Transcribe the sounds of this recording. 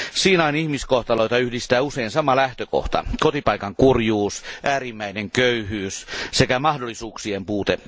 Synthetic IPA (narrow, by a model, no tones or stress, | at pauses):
siːnɑinihmiskoht̪ɑloit̪ɑyhdist̪æːuseinsɑmɑlæht̪øko̰ht̪ɑ̰kot̪ipɑikɑŋkurjuːsʔæːrimːæineŋkøyhyːssekæmɑhdolːˑisuːksiempuːt̪e